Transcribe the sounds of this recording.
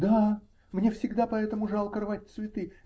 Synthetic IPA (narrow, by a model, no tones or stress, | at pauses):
d̪a | mnʲe̞fsʲɪɡd̪apɐɛt̪əmʊʐalˠkərvatʲt̪svʲɪt̪ɨ